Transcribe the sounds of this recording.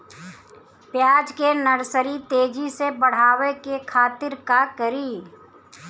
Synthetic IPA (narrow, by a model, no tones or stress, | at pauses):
pjaːd͡ʒkenəɾsəɾit̪eːd͡ʒisebəɽ̤aːʋekekʰaːt̪ɪɾkakəɾiː